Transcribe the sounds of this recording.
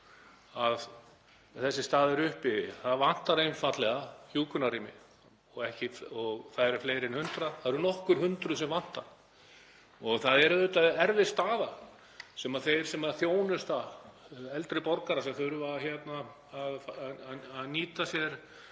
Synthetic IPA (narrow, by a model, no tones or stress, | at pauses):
að | θɛsːɪst̪aːðɛɾʏhpɪðɪθaðvan̥t̪aɾejnfat̪lɛɣaçjuːkʰʏnariːmɪ̰ | ɔɣɛhcɪfɔɣθaðɛɾʏfleːjɾɛnhʏnt̪ɾaθaðɾʏnɔhkʏɾ̥hʏnt̪ɾʏsɛmvan̥t̪aɾ̥ | ɔɣθaðɛɾðʏt̪aɛɾvɪst̪aːða | sɛmaðθejɾ̥sɛmaðθjoːwnʏst̪a | ɛlt̪ɾɪpɔɾkaɾasɛmθʏɾʏaðçɛt̪naː | ð | aðniːt̪asjɛɾ̥